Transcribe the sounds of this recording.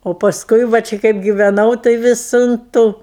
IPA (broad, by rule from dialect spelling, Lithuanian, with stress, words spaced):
oː pɐsˈkʊɪ ʋɐ ˈt͡ʃʲɪ kɐɪp ɡʲɪʋʲɛˈnɐʊ tɐɪ ˈʋʲɪs ʊn ˈtuː